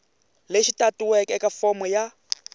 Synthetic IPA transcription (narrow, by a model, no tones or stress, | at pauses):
leʃitʼatʼuwɛkʼɛkʼafɔmɔja